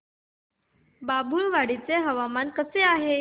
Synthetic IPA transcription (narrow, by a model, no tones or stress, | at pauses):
babʱuɭʋaɽit͡seɦəʋamankəseaɦe